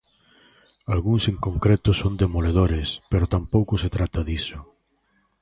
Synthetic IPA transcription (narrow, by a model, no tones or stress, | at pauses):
alɣuŋseŋkõŋkɾet̪ʊsond̪emoleð̞oɾespeɾot̪ampowkʊset̪ɾat̪aðisʊ